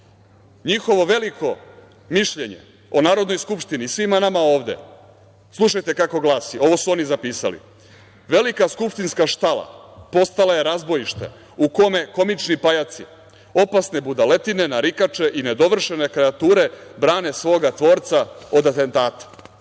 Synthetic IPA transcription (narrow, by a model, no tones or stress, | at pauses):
ɲixo̞ʋo̞ʋe̞likʰo̞ | miʃʎe̞ɲḛ | onaːɾod̪no̞jskupʃt̪inisʋimanamao̞ːʋd̪ḛ | slˠuʃajt̪e̞kako̞ɡlaːsio̞ʋo̞suo̞nizapiːsa̰lḭ | ʋe̞likaskupʃt̪inskaʃt̪alˠa̰po̞st̪alaje̞ɾazbo̞jiʃt̪ḛ | uko̞me̞ko̞mit͡ʃnipajat̪sḭ | o̞pasne̞bud̪ale̞t̪ine̞naɾikat͡ʃe̞ʔine̞d̪o̞ʋr̩ʃe̞ne̞kɾeat̪uːɾe̞bɾaːne̞sʋo̞ːɡat̪ʋo̞ːɾt̪saod̪at̪e̞nt̪aːt̪ḁ